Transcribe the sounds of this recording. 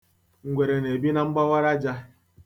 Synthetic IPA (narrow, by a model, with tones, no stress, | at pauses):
ŋ̩˨ɡʷe˨ɾe˨ne˨bi˦na˨ŋ͡m̩˦ɡ͡ba˦wa˦ɾa˦d͡ʒa˦